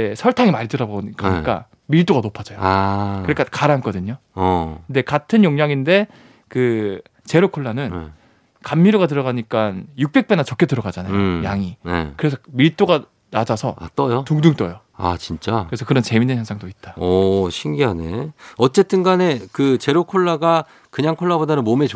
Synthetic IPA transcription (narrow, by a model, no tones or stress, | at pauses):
esʰʌɭtʰaŋimaɾitɯɾabok͈aɲik͈a̰ | miɭt͈oɡanopʰad͡ʑʌjoakɯɾek͈akaɾank͈ʌdɯɲokɯnde̞katʰɯnjoŋɲaŋinde̞ | kɯ | t͡ɕe̞ɾokʰoɭːanɯn | kamːiɾoɡat̬ɯɾʌɣaɲik͈anjuk̚p͈e̞k̚p͈e̞nat͡ɕʌk͈ʰetɯɾʌɡad͡ʑanajojaŋinḛkɯɾe̞s̬ʰʌmiɭt͈oɡa | nad͡ʑasʰʌ̰a̰t͈ʌjotuŋduŋt͈ʌjo | a̰t͡ɕint͡ɕ͈akɯɾe̞sʰʌkɯɾʌnt͡ɕemindɯnjaŋsʰaŋdoit̚t͈ḁʌɕʰiŋɡiɦane̞ʌt͡ɕ͈e̞t͈ɯnɡane̞kɯt͡ɕe̞ɾokʰoɭːaɡa | kɯɲaŋkʰoɭːabodanɯnmome